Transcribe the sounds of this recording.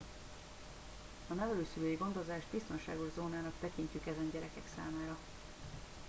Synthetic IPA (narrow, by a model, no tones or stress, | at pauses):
ɒnɛvɛløːsyløːjiɡo̞nd̪ozaːʒd̪̚bist̪o̞nʃa̰ːɡo̞ʒzoːnaːnɒkt̪ɛkiɲcykɛzɛnɟɛɾɛkɛksa̰ːmaːɾɒ